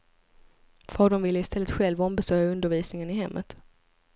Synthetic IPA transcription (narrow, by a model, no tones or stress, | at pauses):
fɑːɖəɳvɪlːəɪst̪ʰɛlːət̪ɧɛlvɔmbɛsœːjaɵnd̪əɾviːsnɪŋənɪɦɛmːʔə̰t̪